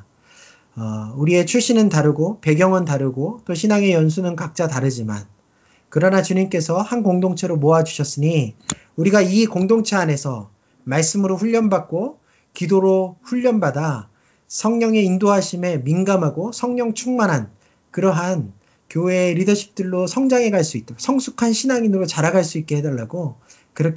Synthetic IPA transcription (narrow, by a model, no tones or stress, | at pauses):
ʌuɾie̞t͡ɕʰuɕ͈ʰinɯntaɾɯɡope̞ɡjʌŋɯntaɾɯɡot͈oɕʰinaŋe̞jʌns̬ʰunɯnkak̚t͡ɕ͈ataɾɯd͡ʑima̰n | kɯɾʌnat͡ɕuɲimk͈e̞sʰʌhankoŋdoŋt͡ɕʰeɾomoad͡ʑuɕʰʌs͈ɯɲi | uɾiɡaikoŋdoŋt͡ɕʰeane̞sʰʌ | maɭs͈ɯmɯɾoɸuʎːʌnbak̚k͈o | kidoɾoɸuʎːʌnbada | sʰʌŋɲʌŋe̞indoɦaɕʰime̞minɡamɦaɡosʰʌŋɲʌŋt͡ɕʰuŋmanɦan | kɯɾʌɦan | kjoeɾidʌɕʰi̥p̚t͈ɯɭːosʰʌŋd͡ʑaŋe̞ɡaɭs͈uit͈̚asʰʌŋsʰukʰanɕʰinaŋinɯɾot͡ɕaɾaɡaɭs͈uit̚k͈e̞hedʌɭːaɡo | kɯɾʌkʰ